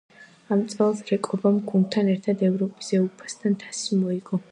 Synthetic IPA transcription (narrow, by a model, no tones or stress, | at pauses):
amt̪sʼɛlˠsɾɛkʼɔbamɡun̚t̪ʰanɛɾt̪ʰad̪ɛvɾɔpʼi̥sɛupʰḁsd̪ʰant̪ʰḁsimɔiɡɔ